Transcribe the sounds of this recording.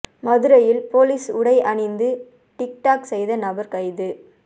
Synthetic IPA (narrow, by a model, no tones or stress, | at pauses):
mɐðɯɾɐjɪlpoːliːsʊɽɐɪʔɐɳɪnd̪ɯ | ʈɪk̚ʈaːksɛjðɐnɐbɐɾkɐɪðɯ